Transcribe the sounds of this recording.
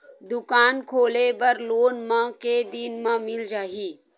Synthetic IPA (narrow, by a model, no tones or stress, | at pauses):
d̪ʊkaːnkʰoːlebəɾloːnmə̃ked̪inmə̃mɪld͡ʒaːɦiː